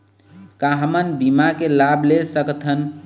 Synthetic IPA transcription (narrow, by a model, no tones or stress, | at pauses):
kaɦmənbimakelablesəkt̪ʰən